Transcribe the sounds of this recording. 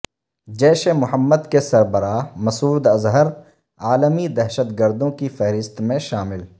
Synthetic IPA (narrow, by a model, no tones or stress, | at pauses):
d͡ʒɛːʃemʊɦəmːəd̪kesɐɾbəɾaːmɐsuːd̪ɐzɦəɾ | aːləmid̪ɛɦʃət̪ɡəɾd̪õkifɛɦɾɪst̪mẽʃaːmɪl